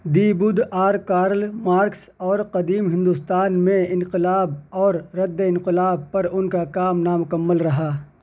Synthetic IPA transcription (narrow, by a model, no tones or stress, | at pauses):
d̪iːbʊd̪aːɾkaːɾəlmaːɾks | ɔːɾqɐd̪iːmɦɪ̃nd̪ʊst̪aːnmẽɪ̃nqɪlaːbɔːɾɾɐd̪ːeɪ̃nqɪlaːb̚pɐɾʊnkakaːmnamʊkəmːəlɾɐɦaː